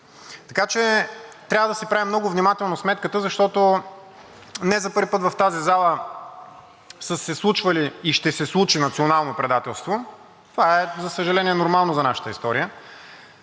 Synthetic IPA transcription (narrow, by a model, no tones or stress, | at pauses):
t̪ɐkat͡ʃɛt̪ɾʲavəd̪ɐsɛpɾavimnɔɡʊvnimat̪ɛlˠnosmɛt̪kət̪əzɐʃt̪ɔt̪o | nɛzɐpɤɾvʲipɤt̪vɐft̪azizalˠə | səsɛslˠut͡ʃvəliːʃt̪ɛsɛslˠut͡ʃinɐt̪sionalˠnopɾɛd̪at̪ɛlˠst̪vo | t̪ovaɛzɐsəʒɐlɛniɛnoɾmalˠnozɐnaʃə̥t̪əist̪ɔɾijə